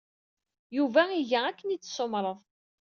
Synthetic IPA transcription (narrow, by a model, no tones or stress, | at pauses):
juvæiʝæækːənit͡sːsomɾˤəðˤ